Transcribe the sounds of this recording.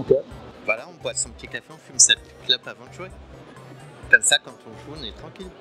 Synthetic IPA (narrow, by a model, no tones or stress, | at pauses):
ɔ̃kɛbvwalaɔ̃vwasɔ̃pət̪ikafeɔ̃fymsɛpəi̥klœbavɑ̃ʒua | kɔmsakɑ̃t̪ɔ̃ʒuɔ̃nɛt̪χɑ̃kʲil